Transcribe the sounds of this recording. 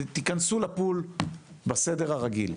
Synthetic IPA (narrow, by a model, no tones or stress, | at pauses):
t̪ikansulapulbased̪e̞ʁaʁaɡḭl